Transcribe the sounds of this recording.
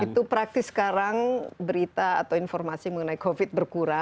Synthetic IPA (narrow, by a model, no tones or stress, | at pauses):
it̪upɾak̚t̪ɪsːə̥kaɾaŋbəɾit̪aːt̪awinfɔrmasijaŋməŋənajkofɪt̪̚bərkuɾa